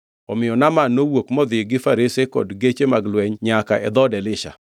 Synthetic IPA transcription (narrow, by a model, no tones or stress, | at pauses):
ɔmɪjɔnamanowokmɔd̪ɪɡɪfaɾesekɔ̰dɡet͡ʃemaɡlwɛɲɲakaʔɛ̰d̪ɔdɛlɪʃa̰